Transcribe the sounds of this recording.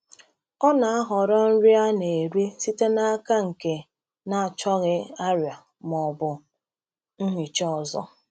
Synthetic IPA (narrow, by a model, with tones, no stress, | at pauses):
ɔ˦na˨a˦ɦɔ˨ɾɔ˦n̩˦ɾi˦a˦ne˨ɾi˦si˦te˦na˦ka˦ŋ̩˨ke˨ | na˨a˨t͡ʃɔ˦ɣɪ˦a˦ɾja˨ | mɔ˨bʊ˨ | n̩˦ɦi˨t͡ʃɔ˦ɔ˨zɔ̰˦